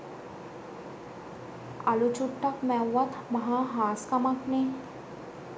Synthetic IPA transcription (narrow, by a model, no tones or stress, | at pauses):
ɐlut͡ʃuʈːɐkmɛwɐt̪mɐɦãɦaːskɐmakne